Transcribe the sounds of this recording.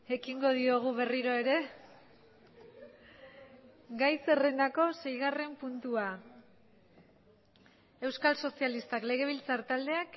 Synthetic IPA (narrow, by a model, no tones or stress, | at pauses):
e̞kiŋɡo̞ð̞io̞ɣ̞uβeriɾoe̞ɾe̞ | ɡajse̞re̞nd̪ako̞se̞jɣare̞mpunt̪ua | e̞wskalso̞sialist̪akle̞ɣ̞e̞β̞ilt͡saɾt̪ald̪e̞ak